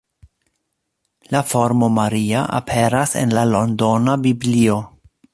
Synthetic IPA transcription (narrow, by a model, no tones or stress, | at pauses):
lafo̞ɾmo̞maɾiaʔa̰pʰeɾasḛnlalo̞ndo̞nabiblio